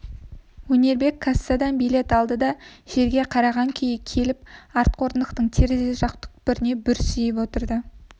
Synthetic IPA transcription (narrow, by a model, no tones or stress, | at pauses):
wɵne̞ɾbe̞kʰːasːad̪ɑnbijle̞t̪ɑlˠd̪əd̪ɑʒ̥e̞ɾɡʲe̞qʰɑɾɑʁɑŋkʲʰʏjɪkʲʰe̞lɪp̚ɑɾt̪̚qʰo̞ɾənd̪əqt̪əɴt̪ʰe̞ɾzeʒɑqt̪ə̥k̚bɪɾɪne̞bʏɾsɪjɪp̬wo̞t̪əɾd̪ə